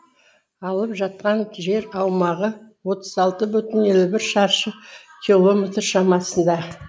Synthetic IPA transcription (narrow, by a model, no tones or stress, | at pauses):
ɑlˠəpʒɑt̪̚qɑŋʒe̞ɾɑwmɑʁəwo̞t̪əzɑlˠt̪əbʏt̪ɪne̞lubɪɾʃɑɾʃə | kʲʰilˠo̞mɪt̪əɾʃɑmɑsənd̪ɑ